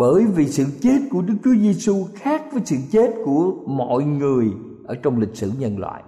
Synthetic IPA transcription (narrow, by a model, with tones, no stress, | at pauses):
ɓəː˧˩jvi˨˩sɨ̰˧˨t͡ɕe˦˥t̚ku˧˩əɗɨ˦˥k̚t͡ɕu˨˦əze˧su˧xaː˦˥k̚vəː˨˦jsɨ̰˧˨t͡ɕe˦˥t̚ku˧˩əmɔ̰˧˨jŋɨ˨˩əj | ʔəː˧˩t͡ɕɔ˧wŋ͡mlï˨˩k̟̚sɨ˧˩ɲə˧nlwa̰ː˧˨j